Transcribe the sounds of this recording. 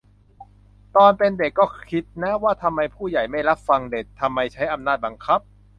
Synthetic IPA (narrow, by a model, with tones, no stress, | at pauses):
t̪ɔː˧npe˧nde˨˩kːɔː˥˩kʰi˦˥t̪̚nɛ˦˥waː˥˩t̪ʰa˧mːa˧jpʰuː˥˩ja˨˩jma˥˩jɾa˦˥p̚fa˧ŋde˨˩k̚t̪ʰːa˧mːa˧jt͡ɕʰa˦˥jʔa˧mnaː˥˩t̪̚ba˧ŋkʰa˦˥p̚